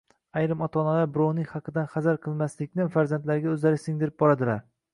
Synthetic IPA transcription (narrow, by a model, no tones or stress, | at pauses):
ajɾɪmɒt̪ʰɒnalaɾbʊɾɒwnɪŋʲhɑqʰɨd̪anχazaɾqʰɨlˠmaslɪkʲnɪfaɾzant̪laɾɡʲaɵzlaɾɪsɪŋd̪ɪɾɪp̚bɒɾad̪ɪlaɾ